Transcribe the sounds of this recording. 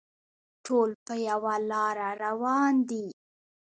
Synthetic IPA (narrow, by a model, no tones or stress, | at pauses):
ʈʰolpəjawalɑɾaɾawɑnd̪i